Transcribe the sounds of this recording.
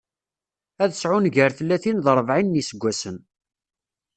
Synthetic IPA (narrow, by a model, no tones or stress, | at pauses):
æðəsʕʊnʝəɾθəlːæθinðəɾˤəvʕinːisəɡʷːæsən